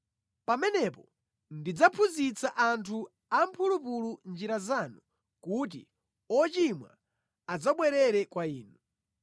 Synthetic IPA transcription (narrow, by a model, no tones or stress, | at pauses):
pamɛnɛpɔ | ndid͡zapʰuzit͡sʰaʔantʰu | ampʰulupulund͡ʒiɾazanu | kut̬ḭ | ɔt͡ʃimwa̰ | ad͡zaɓwɛɾɛɾɛkwaiːnu